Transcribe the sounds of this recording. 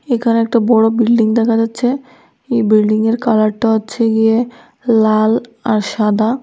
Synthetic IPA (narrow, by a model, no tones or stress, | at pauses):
ekʰaneɛk̚ʈabɔɽobilɖiŋd̪ɛkʰad͡ʑatːɕʰe | ejbilɖiŋeɾkalaʈʈːaatːɕʰeɡie | lalaɾʃad̪ʱa